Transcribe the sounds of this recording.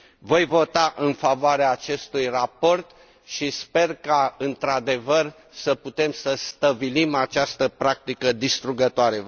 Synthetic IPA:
vo̞jvo̞t̪aʔɨnfavoaɾeaːt͡ʃe̞st̪ujrapo̞rt̪ | ʃispe̞rkaɨnt̪ɾad̪e̞vər | səput̪e̞msəst̪əbilimat͡ʃast̪əpɾak̚t̪ikəd̪ist̪ɾuɡət̪oaɾe̞

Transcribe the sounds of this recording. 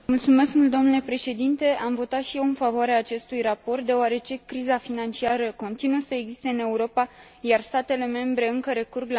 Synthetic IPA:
mult̪sume̞skmult̪d̪o̞mnule̞pɾe̞ʃe̞d̪int̪e̞amvo̞t̪at̪ʃije̞wɨnfavoaɾeaːt͡ʃe̞st̪ujrapo̞rt̪̚d̪e̞oaɾe̞t͡ʃe̞kɾizafinant͡ʃiaɾəko̞nt̪inuəsəe̞ɡzist̪e̞ɨne̞uɾo̞pa | jarst̪at̪e̞le̞me̞mbɾe̞ɨŋkəɾe̞kurɡl

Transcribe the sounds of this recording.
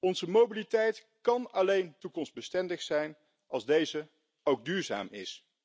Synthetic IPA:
ɔnzəmobilitɛjt | kɑnɑlejntukɔmsd̚bəstɛndəχsɛjn | ɑlˠzdejzə | owɡ̚dyːɹza̰ːmɪs

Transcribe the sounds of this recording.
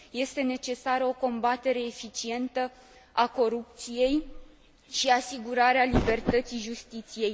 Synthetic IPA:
je̞st̪e̞ne̞t͡ʃe̞saɾəo̞ko̞mbat̪e̞ɾe̞ːfit͡ʃie̞nt̪ə | ako̞ɾup̚t̪sije̞j | ʃiasiɡuɾaɾealibe̞rt̪ət̪sijʒust̪it̪sije̞j

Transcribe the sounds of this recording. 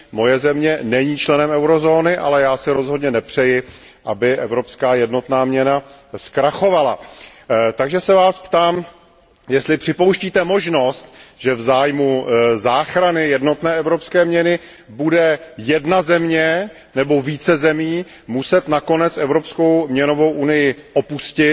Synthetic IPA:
mo̞jɛzɛmɲɛnɛɲiːt͡ʃlɛnɛmɛwɾozo̞ːnɪʔa̰lɛjaːsɪɾo̞zɦodɲɛnɛpr̝̥ɛjɪ | ʔabɪʔɛvɾo̞pskaːjɛdno̞t̪naːmɲɛnaskɾaxo̞vala̰ | t̪aɡʒɛsɛvaːspt̪aːm | jɛst̪lɪpr̥ɪpo̞wʃciːt̪ɛmo̞ʒno̞st̪ʒ̥ɛvzaːjmuzaːxɾanɪjɛdno̞t̪nɛːɛvɾo̞pskɛːmɲɛnɪ | budɛjɛdnazɛmɲɛ | nɛbo̞viːt͡sɛzɛmiː | musɛt̪nako̞nɛt͡sɛvɾopsko̞wmɲɛno̞vo̞wʔunɪjɪʔopuscɪ

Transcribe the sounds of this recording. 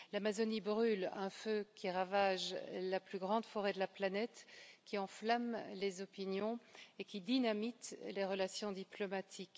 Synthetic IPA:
lamazɔnibʁylɛ̃føkʲiʁavaʒlaplyɡʁɑ̃d̪fɔʁɛd̪əlaplanɛt̪kʲiɑ̃flamlezɔpinjɔ̃ekʲid̪inamit̪leʁəlasjɔ̃d̪iplɔmat̪ʰik

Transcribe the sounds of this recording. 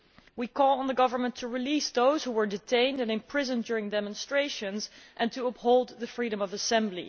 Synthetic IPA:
wikʰɔlˠə̃nðəɡʌvə˞mə̃ntʰuɹilisðoʊz̥huwə˞dɨtʰẽɪ̃ndɨ̃nɨ̃mpʰɹ̥ɪzə̃ndʊɹɪ̃ŋdɛmə̃nstɹ̥eɪʃɨ̃nzʔɨ̃ntʰuʌphoʊlˠd̪̚ðɨfɹiɾə̃mʌvəsɛ̃mblḭ

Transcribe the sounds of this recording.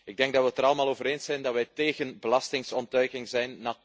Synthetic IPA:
ɪɡ̚dɛŋɡ̚dɑtʋətəɾɑləmaːlˠoːvəɾeːnsɛjndɑtʋɛjteːɣənbəlɑstɪŋsɔntœɥkɪŋzɛjnːa

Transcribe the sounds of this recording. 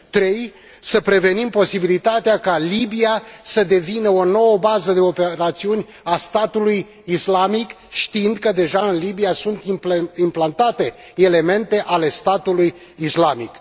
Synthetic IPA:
t̪ɾe̞j | səpɾe̞ve̞nimpo̞sibilit̪at̪eakalibiasəd̪e̞vinəo̞no̞wəbazəd̪e̞o̞peɾat̪siunʲ | ast̪at̪uluj | islamik | ʃt̪iind̪kəd̪e̞ʒaɨnlibijasunt̪impimplant̪at̪e̞ | e̞le̞me̞nt̪e̞ʔale̞st̪at̪uluj | islamḭk

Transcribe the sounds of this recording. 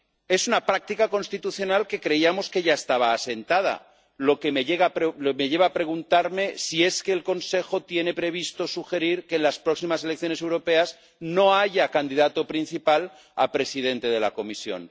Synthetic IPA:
e̞sunapɾak̚t̪ikako̞nst̪it̪uθjo̞nalke̞kɾe̞iamo̞ske̞ʝaest̪aβ̞aːse̞nt̪að̞a̰ | lo̞kemeʎeɣapɾlomeʝe̞β̞aːpɾe̞ɣ̞unt̪aɾme̞sie̞skeːlko̞nse̞xo̞t̪je̞ne̞pɾe̞β̞ist̪o̞suxe̞ɾiɾke̞ːnlaspɾo̞ksimase̞lek̚θjo̞ne̞s̬e̞wɾo̞pe̞az | no̞aʝakand̪iðat̪opɾinθipal | a̰pɾe̞sið̞e̞nt̪e̞ð̞e̞la̰ko̞misjo̞̰n

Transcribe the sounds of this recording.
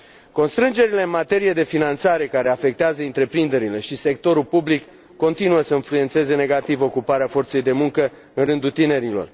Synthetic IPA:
ko̞nst̪ɾɨnd͡ʒe̞ɾile̞ɨnmat̪e̞ɾijed̪e̞finant̪saɾe̞kaɾe̞afe̞k̚t̪eazəɨnt̪ɾe̞pɾind̪e̞ɾile̞ʃise̞k̚t̪o̞ɾulpublikː | o̞nt̪inuəsəɨnflujent̪se̞ze̞ne̞ɡat̪ivo̞kupaɾeafo̞rt̪se̞jd̪e̞muŋkə | ɨnrɨnd̪ut̪ine̞ɾilo̞̰r

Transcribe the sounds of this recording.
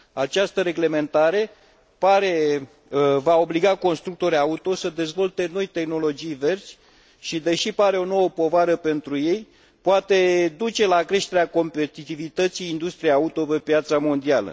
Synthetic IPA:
at͡ʃast̪əɾe̞ɡle̞me̞nt̪aɾe̞ | paɾe̞ | vao̞bliɡako̞nst̪ɾuk̚t̪o̞ɾaut̪o̞səd̪e̞zvo̞lt̪e̞no̞jt̪e̞xno̞lo̞d͡ʒijve̞rsʲ | ʃid̪e̞ʃipaɾe̞o̞no̞wəpo̞vaɾəpe̞nt̪ɾuje̞j | poat̪e̞d̪ut͡ʃe̞lakɾe̞ʃt̪e̞ɾeako̞mpe̞t̪it̪ivit̪ət̪siːnd̪ust̪ɾijejaut̪o̞pe̞pjat̪samo̞nd̪ialə̰

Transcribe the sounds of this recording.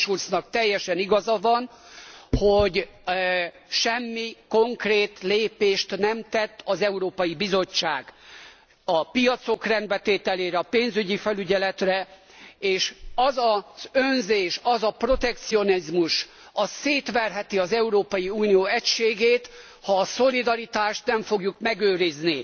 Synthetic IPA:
ʃursnɒk̚t̪ɛjːɛʃɛniɡɒzɒvɒnhoɟ | ʃɛmːiko̞ŋkreːt̪leːpeːʃt̪nɛmt̪ɛt̪ːɒzɛuɾoːpɒjibizo̞t͡ʃt͡ʃːaːɡ | ɒpijɒt̪so̞krɛnd̪bɛt̪eːt̪ɛleːɾɛɒpeːnzyɟifɛlyɟɛlɛt̪rɛ | eːʃɒzɒz̥ønzeːʃɒzɒpro̞t̪ɛk̚t̪sio̞nizmuʃ | ɒseːt̪ʋɛrɦɛt̪iɒzɛuɾoːpɒjiuːnijoːɛcʃeːɡeːt̪ | hɒːso̞lid̪ɒɾit̪aːʃt̪nɛɱfoɡjukmɛɡøːɾizni

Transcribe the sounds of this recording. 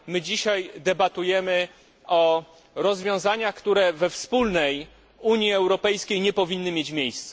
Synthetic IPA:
mɘd͡ʑiɕajd̪ɛbat̪ujɛmɘ | ɔ | ɾɔzvʲjɔ̃w̃zaɲaxkt̪uɾɛvɛfspulnɛj | uɲjiɛwɾɔpɛjskʲejɲɛpɔvʲinːɘmʲjet͡ɕmʲjejst̪sɛ

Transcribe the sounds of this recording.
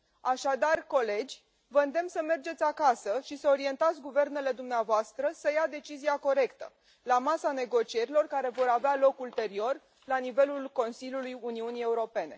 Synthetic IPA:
aʃad̪arko̞le̞d͡ʒʲ | vəɨnd̪e̞msəme̞rd͡ʒe̞t̪sʲakasəʃisəo̞ɾie̞nt̪at̪sʲɡuve̞rne̞le̞d̪umneavoast̪ɾəsəjad̪e̞t͡ʃiziako̞ɾe̞kt̪ə̰ | lamasane̞ɡo̞t͡ʃie̞ɾilo̞rkaɾe̞vo̞ɾavealo̞kult̪e̞ɾio̞r | lanive̞lulko̞nsilʲjulujuniunije̞uɾo̞pe̞ne̞

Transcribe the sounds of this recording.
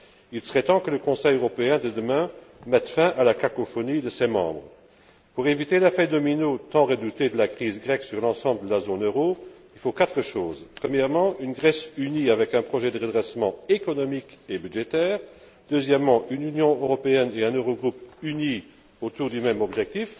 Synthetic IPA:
ilsəʁɛt̪ɑ̃kələkɔ̃sɛjøʁɔpeɛ̃d̪əd̪əmɛ̃mɛt̪fɛ̃ʔalakakofɔnid̪əsɛmɑ̰̃ːbʁə | puʁevit̪elafɛd̪ɔminot̪ɑ̃ʁəd̪ut̪ed̪əlakχizɡʁɛksyʁlɑ̃sɑ̃bləd̪əlazoːnøʁoilfokat̪χəʃoːzpχəmjɛʁmɑ̃ʔynɡʁɛsyniavɛkɛ̃pχɔʒɛd̪əʁəd̪ʁɛsmɑ̃ekɔnɔmikebydʒet̪ɛːʁ | d̪̥øzjɛmːɑ̃ʔynynjɔ̃øʁɔpeɛneɛ̃nøʁoɡʁupyni | ot̪uːʁd̪ymɛmɔbʒɛk̚t̪if

